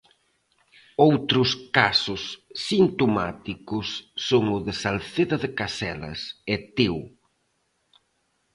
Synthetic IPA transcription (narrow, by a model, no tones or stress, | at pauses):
owt̪ɾʊskasʊsːint̪oma̰t̪ikʊsːoŋʊðɪsalθeðɐðɪkasɛlɐ̰sɛt̪ew